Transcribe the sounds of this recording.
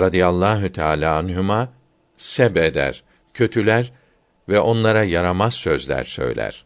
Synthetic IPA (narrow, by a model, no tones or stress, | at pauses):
ɾad̪ijalˠːaːɦut̪ʰaːlʲaːanɦumaː | sɛbed̪æ̰ɾ | cʰø̞t̪ʰylʲæɾ | vɛʔo̞nlˠaɾajaɾamazsø̞zlʲæ̰ɾsø̞̰jlʲæ̰ɾ̥